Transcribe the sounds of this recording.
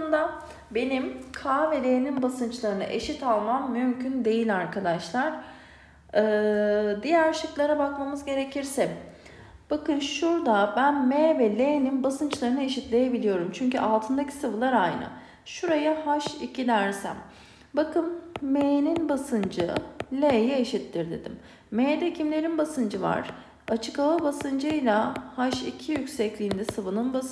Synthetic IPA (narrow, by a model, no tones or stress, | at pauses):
nd̪a | be̞nimkʰaːvɛlʲeːninbasɯnt͡ʃlˠaɾɯnɯ̰ʔe̞̰ʃit̪alˠmammymcʰynd̪e̞jilʲaɾkʰad̪aʃlˠaɾ̥ | ɯːd̪ijæɾʃɯklˠaɾabakmamɯzɟe̞ɾe̞cʰiɾsɛ | b̥akɯnʃuɾd̪abænmevɛlʲeːninbasɯnt͡ʃlˠaɾɯnɯeʃit̪lʲe̞je̞bilʲijo̞ɾumt͡ʃʰyɲcyʔalˠt̪ʰɯnd̪acʰi̥sɯvɯlˠaɾajnɯ̰ | ʃuɾajahaʃicʰidʲæɾsæ̰m | bakʰɯnmeːninbasɯnd͡ʒɯlʲejieʃit̪lʲiɾd̪e̞̰d̪ḭmː | eːd̪ɛcʰimlʲe̞ɾinbasɯnd͡ʒɯva̰ɾ̥ | at͡ʃʰɯkavabasɯnd͡ʒɯjlʲˠahaʃḭcʰijycʲsɛclʲijːnd̪ɛsɯvɯnɯnba